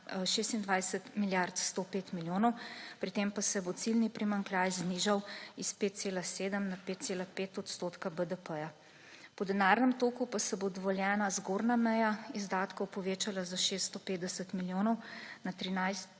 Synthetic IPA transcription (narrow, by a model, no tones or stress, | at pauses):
ʃeːst̪ind̪ʋajsət̪miljaɾt̪st̪opeːt̪miljoːnɔwpɾit̪empasɛbot̪silnipɾimaŋklʲjaːjzniʒawispeːt̪̚seːlaseːd̪əmnapeːt̪t̪seːlapeːt̪ɔt̪st̪ot̪kabəd̪əpəja | pɔd̪ɛnaːɾnɛmt̪oːkupasɛbod̪ɔʋɔljɛːnazɡoːɾnamɛjaizd̪aːt̪kɔwpɔʋeːt͡ʃalazaʃeːst̪ːt̪ɔpeːd̪d̪ɛsət̪miljoːnɔwnat̪ɾinajs